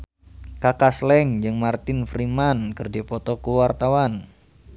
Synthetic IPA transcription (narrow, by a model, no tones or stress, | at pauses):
kakaslɛŋd͡ʒɨŋmart̪ɪnfɾimankɨrd͡ʒipɔt̪ɔkuwart̪awan